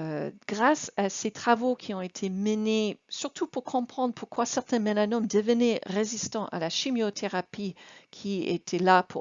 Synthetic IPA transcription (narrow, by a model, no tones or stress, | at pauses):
ɡ̥ʁasaset̪χavokʰʲiɔ̃et̪ʰemənesyʁt̪ʰupuʁkʰɔ̃pχɑ̃d̪ʁəpuʁkwasɛʁt̪ɛ̃menanɔmd̪əvənɛʁezist̪ɑ̃ʔa̰laʃimjot̪ʰeʁapikʲʰiḛt̪ʰɛlapʰu